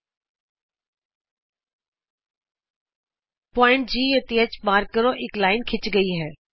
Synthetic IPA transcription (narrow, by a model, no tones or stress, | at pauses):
pɔːɪ̃ɳʈd͡ʑiːɐt̪iət͡ɕɓaːɾkəɾoʔɪklaːɪnkʰɪt͡ɕɡɐiɦɛː